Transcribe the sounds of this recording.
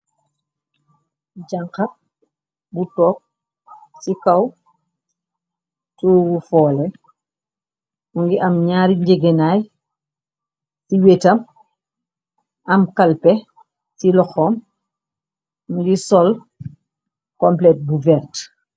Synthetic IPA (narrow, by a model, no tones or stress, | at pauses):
ɟaŋka | butɔːp̚ | sikɐw | toːɡufɔːlɛ | uŋɡiʔɐmɲaːɾiɲɟeɡenaːj | siwetɐm | ʔɐmkalpɛ | silɔxɔːm | md͡ʒisɔl | kɔmplɛt̚buvɛrt